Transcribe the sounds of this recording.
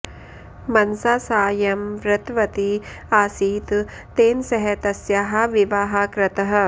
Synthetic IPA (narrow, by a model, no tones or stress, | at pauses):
mɐnsaːsaːjɐmʋɾɐt̪ʋɐt̪i | aːsiːt̪ | t̪eːnsɐɦet̪ɐsjaːɦɐʋiʋaːɦakɾɐt̪ɐɦɐ̆